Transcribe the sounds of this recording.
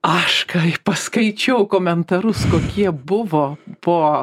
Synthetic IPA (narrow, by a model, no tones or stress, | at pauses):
ɐʃkɐpɐskɐɪt͡ʃʲɛʊkoːmʲɛnt̪ɐɾʊskoːkʲiɛbʊʋoːpoː